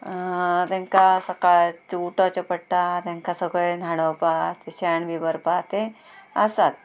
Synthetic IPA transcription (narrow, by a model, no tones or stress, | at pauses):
t̪ẽŋkasəkaɭt͡suʈɔt͡ɕəpəɽʈat̪ẽŋkasəɡɭenʱaɽ̃owpat̪eɕɛɳbibəɾpat̪e | əsat̪̚